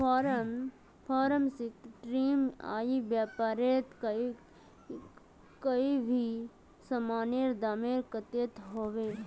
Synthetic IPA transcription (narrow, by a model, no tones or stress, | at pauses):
pʰaːɾəm | pʰaːɾəmsikʈɾiːma̰ːiʋjaːpaːɾeːt̪k | kəibʱi | sɐmaːneɾd̪aːmeːɾkət̪eːt̪ɦoːʋeː